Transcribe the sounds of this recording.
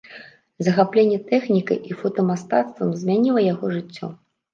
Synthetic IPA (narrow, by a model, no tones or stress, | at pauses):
zɐxaplʲenʲːɛt̪ɛxnʲikɐ̰jʔifɔt̪ɐmast̪at̪st̪vɐmzʲmʲanʲilˠɐjaɣɔʐɨt͡sʲːɔ̰